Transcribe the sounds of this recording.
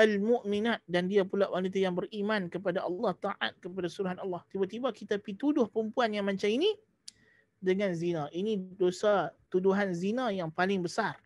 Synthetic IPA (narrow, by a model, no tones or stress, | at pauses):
almuʔminat̪̚dandiapulaʔwanit̪ajaŋbərimãnkəpadaʔɑlˠːɑht̪aʔa̰t̪̚kəpadasuɾuɦanɑlːɑht̪ibat̪ibakit̪apit̪udʊhpəɾəmpuanjaŋmaɲt͡ʃamini | dəŋãnzinãʔinĩdosat̪uduɦanzinãjaŋpalɪŋbəsar